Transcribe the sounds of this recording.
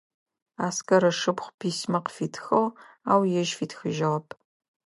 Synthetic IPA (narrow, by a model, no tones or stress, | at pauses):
aːskɐɾɐʂɨpχʷpʰiːsmɐqfiːtʰxɐw | aːwjɛʒfiːtʰxɨʒɐʁɐpʰʼ